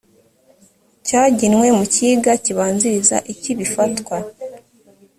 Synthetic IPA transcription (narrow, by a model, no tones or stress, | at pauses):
caːɟinwe̞muciːɡaciβaːnziɾiza̰ʔiciβifatwa